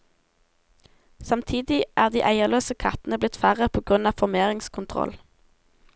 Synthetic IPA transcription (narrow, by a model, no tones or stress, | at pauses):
sɑmt̪ʰiːd̪ɪʔæːʁd̪iːʔæɪəʁløːsəkʰɑ̰t̪n̩əblɪt̪fæʁəpʰoːɡʁʉnɑːʋfɔʁmeːʁɪŋskʰʊnt̪ʰʁɔ̰l